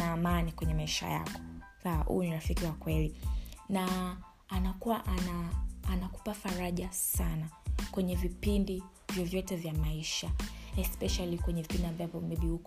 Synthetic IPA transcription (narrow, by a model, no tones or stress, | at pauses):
aːmanikwɛɲɛmaiʃa̰ja̰kɔ̥ | ahṵniɾafikiwakwɛlinaː | nakuwaʔanaːnaku̥pafaɾaʄasanakwɛɲɛvipindi | vjɔvjɔtɛvjamaiʃaɛspɛʃalikwɛɲɛvipindiambavɔmɛɓiuk